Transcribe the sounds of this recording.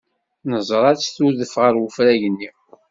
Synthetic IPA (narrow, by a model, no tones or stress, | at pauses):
nəzˤɾˤɑɾt͡sθuðəfʁəɾwʊfɾæʝənːi